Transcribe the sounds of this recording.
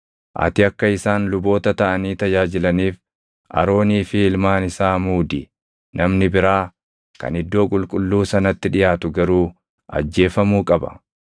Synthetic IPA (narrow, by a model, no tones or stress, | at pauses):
ʔɐ̰t̪ɪɐkːɐɪsaːnlʊbo̞ːt̪ɐt̪ɐʔɐniːt̪ɐd͡ʒaːd͡ʒɪlɐniːf | ʔɐ̰ɾo̞ːniːfɪɪlmaːnɪsaːmuːd̪ɪ | nʔɐmnɪbɪɾaː | kɐ̰nɪd̪ːo̞ːkʼʊlkʼʊlːuːsɐnɐt̪ːɪᶑɪjaːt̪ʊɡɐɾuː | ʔɐ̰d͡ʒːe̞ːfɐmuːkʼɐbɐ̰